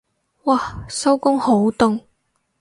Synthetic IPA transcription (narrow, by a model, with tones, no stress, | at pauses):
waː˨sɐ˥wkʊ˥ŋho˨˥wt̪ʊ˥ŋ